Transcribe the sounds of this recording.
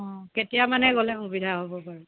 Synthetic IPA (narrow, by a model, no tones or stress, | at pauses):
ɔ̃ketijamanɛɡolɛxubidʱaɦobɔpaɹɛ